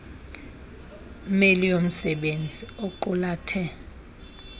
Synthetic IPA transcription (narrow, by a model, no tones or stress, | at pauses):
melijom̩sɛɓend͡zʱioǃulaːtʰɛ